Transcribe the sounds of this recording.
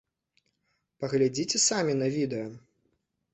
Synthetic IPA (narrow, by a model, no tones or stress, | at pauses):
pɐɣlʲad͡zʲit͡sʲɛsamʲinɐvʲid̪ɛjɐ